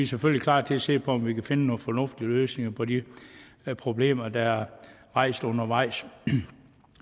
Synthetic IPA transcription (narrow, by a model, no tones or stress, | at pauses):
iseføl̰liklɑ̰̈ːdt͡sʰe̝æse̝̰ːpʰɒ̽ɒ̽mʋikʰæfe̝nənoːfɒ̽nɔ̽fd̥iəløːsne̝ŋɐpʰɒ̽di | pʰʁo̝b̥le̝̰ːmɐd̥ɑ̈æɐʁɑ̈ɪ̰sd̥ɔ̽nɐʋɑ̈ɪ̰s